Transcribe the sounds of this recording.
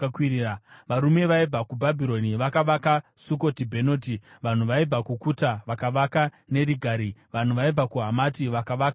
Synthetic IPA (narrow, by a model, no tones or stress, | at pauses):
kwiiaʋaɾume̞ʋaib͡vakubʱabʱiɾo̞niʋakaʋakasuko̞tibʱe̞not̬iʋan̤uʋaib͡vakukutaʋakaʋakane̞ɾiɡʱaːɾiʋan̤uʋaib͡vakuɦamatiʋakaʋak